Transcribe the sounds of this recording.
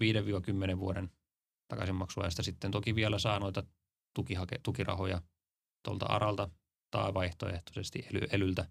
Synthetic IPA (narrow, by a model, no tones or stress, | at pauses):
ʋiːdeʋiːɑkymːeneʋʋuoɾen | t̪ɑkɑ̰simɑksuɑ̰jɑst̪ɑsit̪ːent̪okiʋielæsɑːnoit̪ɑ | t̪ukihɑkḛt̪ukirɑ̰hojɑ | t̪o̰lt̪ɑ̰ɑ̰ɾɑlt̪ɑ | t̪ɑ̰ˑːʋɑiht̪o̰eht̪o̥sest̪iʔʔely̰elylt̪æ